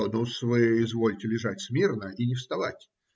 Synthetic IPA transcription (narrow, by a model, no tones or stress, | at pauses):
nusvɨɪzvo̞lʲtʲɪlʲɪʐatʲsmʲernəʔinʲɪfst̪ɐvatʲ